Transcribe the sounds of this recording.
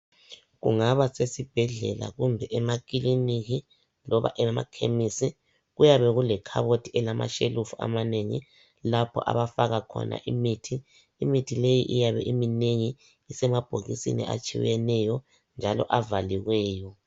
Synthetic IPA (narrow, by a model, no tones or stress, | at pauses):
ɣuŋaβasesib̥ʱɛɮɛla̰ɣumbʱɛʔɛmakʼiliniɣi | lɔβa̰ʔɛma̰kʰemisi | ɣujaβɛɣulɛkʰa̰βotʰiɛlama̰ʃelufua̰maneŋḭ | lapʰɔ̰ʔa̰βafaɣakʰɔ̰na̰ʔimitʰiː | mitʰilejḭʔijaβɛ̰ʔimineŋi | isɛmab̥ʱoɣisḭnḭʔa̰t͡ʃʼḭjɛnɛjɔ | nd͡ʒʱalɔ̰ʔavaliɣwɛːjɔ